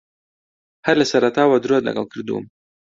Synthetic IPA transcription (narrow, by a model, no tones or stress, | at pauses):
halasaɾat̪ɑwad̪ɾuala̰ɡa̰wkɽɾd̪ṵm